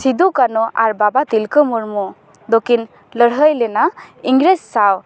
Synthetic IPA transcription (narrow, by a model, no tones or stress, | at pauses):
sid̪ukanɔʔaɾbabat̪ilkəmuɾmɔ | d̪okin | ləɽɦəjlɛnaiŋɡɾessaw